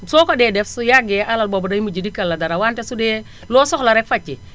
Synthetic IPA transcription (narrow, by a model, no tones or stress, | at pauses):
sɔkɔdɛːdɛfsujaɡɛʔalalbɔbdajmud͡ʒidikːalːadaɾawantɛsudɛː | lɔːsɔxlaɾɛkfat͡ʃːi